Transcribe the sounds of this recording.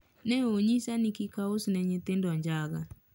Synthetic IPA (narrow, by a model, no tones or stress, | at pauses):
nɛoɲisanikikaosnɛɲet̪endɔɲd͡ʒaɣa